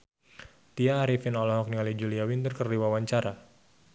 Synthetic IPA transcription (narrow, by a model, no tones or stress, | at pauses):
t̪iaːɾifɪnɔlɔɦɔk̚niŋalid͡ʒuliawint̪ərkərdiwawaɲt͡ʃaɾa